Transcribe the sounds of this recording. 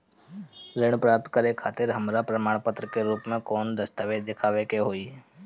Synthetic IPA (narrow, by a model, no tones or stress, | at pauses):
ɾɪɽ̃pɾaːp̚t̪kəɾekʰaːt̪ɪɾɦəmɾapɾəmaːɽ̃pət̪ɾəkeɾuːpmẽkɔːnd̪əst̪əʋed̪ɪkʰaːʋekeɦoːi